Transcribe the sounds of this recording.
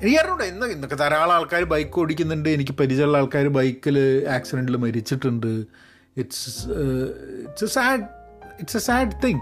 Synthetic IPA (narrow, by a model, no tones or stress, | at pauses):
iɐrnuɳɖeinːɐinːokːet̪ɐɾaːɭaːɭkaːɾɨbɐjkːɨoɽikʲːunːuɳɖɨe̞nikʲːɨpɐɾid͡ʑɐɭːaːɭkaːɾubɐjkːilaːksiɖeɳɖilmɐɾit͡ɕːiʈːuɳɖɨ | iʈs | ḭʈsesaːɖiʈsesaːɖt̪iŋ